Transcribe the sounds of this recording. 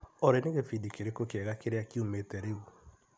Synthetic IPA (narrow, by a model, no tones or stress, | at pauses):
ɔɾeneɣefidikeɾekokɛɣakeɾeakiometɛɾeu